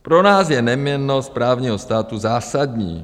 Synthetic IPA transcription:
pɾonaːsjɛnɛmɲɛnospɾaːvɲiːɦost̪aːt̪uzaːsadɲḭː

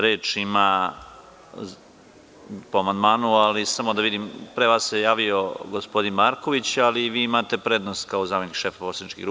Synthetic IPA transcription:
ɾe̞ːt͡ʂima | poamand̪maːnualisamo̞d̪aʋid̪impɾeʋaːsːejaːʋio̞ɡospo̞d̪inmaɾko̞ʋit͡ɕaliʋiːimaːt̪e̞pɾed̪nost̪kaozaːmenikʃe̞faposanit͡ʃkḭɡɾu

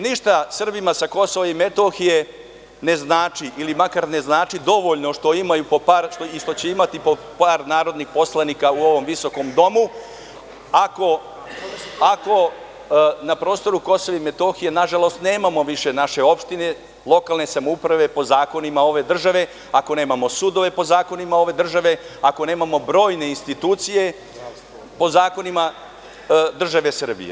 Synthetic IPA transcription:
niʃt̪asr̩bimasako̞so̞ʋaimet̪o̞xije̞ | neznaːt͡ʂiʔilimakaɾne̞znaːt͡ʂid̪o̞ʋo̞ʎno̞ʃt̪o̞imajupopaɾʃt̪oiʂt̪o̞t͡ɕe̞imat̪ipo | paːɾnaːɾo̞d̪nixposlˠanikauo̞ʋo̞mʋiso̞ko̞md̪o̞mu | ako̞ | ako̞ | napɾo̞ːst̪o̞ɾuko̞soʋeime̞t̪o̞xijenaʒalˠo̞st̪ne̞ːmamo̞ʋiʃe̞naʃe̞o̞pʃt̪ine̞ | lˠo̞kaːlˠne̞samoupɾaʋe̞po̞zaːko̞nimao̞ʋe̞d̪r̩ʒaʋe̞ | ako̞ne̞ːmamo̞sud̪o̞ʋe̞po̞zaːko̞nimao̞ʋe̞d̪r̩ʒaʋe̞ako̞ne̞ːmamo̞bɾo̞ːjne̞inst̪it̪uːt̪sije̞ | po̞zaːko̞nima | d̪r̩ʒaʋe̞sr̩bḭjḛ

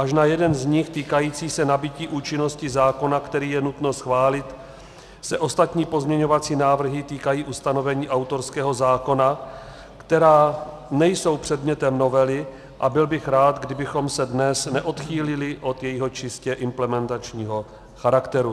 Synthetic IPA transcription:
ʔaʃnajɛdɛnzɲɪxt̪iːkajiːt͡siːsɛnabɪciːʔuːt͡ʃɪno̞scɪzaːko̞nakt̪ɛɾiːjɛnut̪no̞sxvaːlɪt̪ | sɛʔo̞st̪at̪ɲiːpo̞zmɲɛɲo̞vat͡siːnaːvr̩ɦɪt̪iːkajiːʔust̪ano̞vɛɲiːʔawt̪o̞ɾskɛːɦo̞zaːko̞na | kt̪ɛɾaː | nɛjso̞wpr̥ɛd̪mɲɛt̪ɛmno̞vɛlɪ | ʔabɪlbɪxɾaːt̪ɡdɪbɪxo̞msɛdnɛsnɛʔo̞t̪xiːlɪlɪʔo̞t̪jɛjiɦo̞t͡ʃɪscɛʔɪmplɛmɛnt̪at͡ʃɲiːɦo̞ | xaɾakt̪ɛɾu

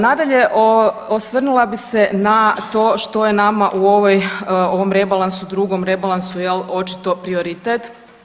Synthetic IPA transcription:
nad̪aʎeʔoosʋr̩nulˠabisenat̪o̞ːʃt̪o̞jenamaʔuoʋojoʋomɾe̞balˠansud̪ɾuɡomɾebalˠansujelo̞t͡ʃi̥t̪o̞pɾio̞ɾit̪et̪

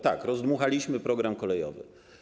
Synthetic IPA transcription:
t̪a̰kɾɔzd̪muxalʲiɕmɘpɾɔɡɾamkɔlɛjɔ̰vɘ̰

